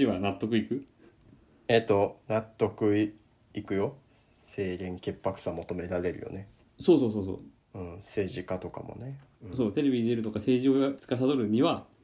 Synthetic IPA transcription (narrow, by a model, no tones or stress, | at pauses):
iβanat̪ːo̞kɯikɯ̟ | et̪o̞nat̪ːo̞kɯ̟ | ikɯ̟jo̞ | se̞ːɡẽ̞ŋke̞pːakɯ̥samot̪o̞me̞ɾaɾe̞ɾɯ̟jo̞̰ne̞ | so̞ːso̞ːso̞ːso̞̰ː | ɯ̟̃ːse̞ːʑikat̪o̞ka̰mo̞̰ne | ɯ̃so̞ːt̪e̞ɾe̞bʲiɲʲd̪eɾɯ̟t̪o̞kase̞ːʑio̞at͡sɨ̥kas̬ad̪o̞ɾɯ̟ɲ̟iβa